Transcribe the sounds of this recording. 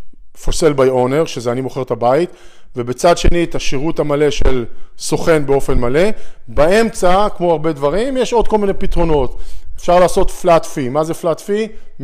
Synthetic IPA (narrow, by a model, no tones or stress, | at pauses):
fo̞se̞lbajo̞ne̞ʁʃezeanimo̞χe̞ʁt̪abait̪ve̞bet͡sadʃe̞nit̪aʃiʁutamale̞ʃelso̞χe̞nbeo̞fe̞nmale̞bae̞mt͡sakmo̞aʁbe̞d̪vaʁimjeʃo̞d̪̚ko̞lminepit̪ʁo̞no̞t̪efʃaʁlaːso̞t̪flat̪fimazeflat̪fi